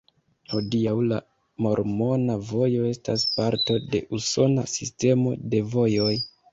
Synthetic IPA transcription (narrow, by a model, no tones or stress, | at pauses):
ho̞diawla | mo̞ɾmo̞navo̞jo̞e̞staspaɾto̞de̞̰ʔuso̞nasiste̞mo̞̰de̞vo̞jo̞j